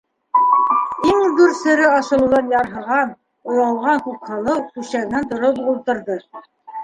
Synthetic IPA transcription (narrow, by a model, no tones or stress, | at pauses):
iŋb̪ɵɾsɘ̆ɾɘɑʃɤ̆lˠŭðɑnjɑɾɦɤ̆ʁɑn | ŏjɑlˠʁɑŋkʉkhɤ̆lˠɤwkʉʃæɣɘnt̪ŏɾopulˠt̪ɤ̆ɾðɤ